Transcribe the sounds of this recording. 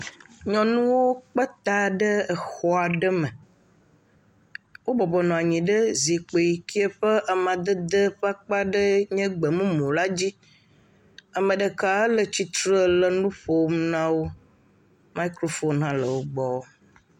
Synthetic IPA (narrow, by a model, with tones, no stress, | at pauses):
ɲɔ̃˨nũ˦wo˦k͡pə˦t̪a˦ɖə˦ə˨xɔ˦a˨ɖə˦mə̃˨ | wo˦bɔ˨bɔ˨nɔ̃˨a˨ɲĩ˨ɖə˦zi˨k͡po˨ji˨ki˦e˦ɸə˦ʔə˨mã˨d̪ə˦d̪ə˦ɸa˦k͡pa˦ɖə˦ɲɛ̃˦ɡ͡bə˨mə̃˦mõ˨la˦d͡ʑi˦ | ə˨mə̃˨ɖə˨ka˨˦lə˨t͡ɕi˨t̪ɾə˦lə˨nũ˦ɸo˦mnã˦wo˦ | ma˦i˦kɾo˦fo˦nɦã˦lə˨wo˦ɡ͡bɔ˦